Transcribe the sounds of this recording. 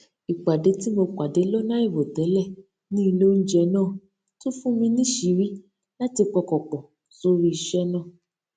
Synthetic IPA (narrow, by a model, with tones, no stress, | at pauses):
i˨k͡pa˨de˨˦ti˦mo˧k͡pa˨de˨˦lɔ˦nã˦i˦˨vo˨tɛ˨˦lɛ˦˨ | nĩ˦˧lo˦n̩˦d͡ʒɛ˧nãː˦˨ | to˦fũ˦mĩ˧nĩ˦ʃi˨˦ɾi˦ | la˦ti˧k͡pɔ˧kɔ˨k͡pɔ˨ | so˧ɾi˧i˧ʃɛ˦nãː˦˨